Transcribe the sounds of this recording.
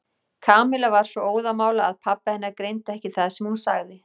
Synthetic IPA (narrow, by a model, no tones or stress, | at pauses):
kʰaːmɪlavaɾ̥svɔoːwðamaːwlaaðpʰapːahɛnːaɾkɾejnt̪aɛhcɪθaðsɛmhunsa̰ɣðɪ